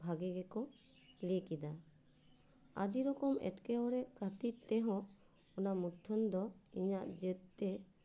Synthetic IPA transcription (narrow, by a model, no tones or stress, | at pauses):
bʱaɡɛɡɛkɔ | likid̪a | a̰diɾɔkɔmɛ̰ʈkɛɔɾɛʔkat̪it̪ɛɦɔ̃ | ɔnamuʈʰːɔnd̪ɔiɲaʔd͡ʒɛt̪̚ˀt̪ɛ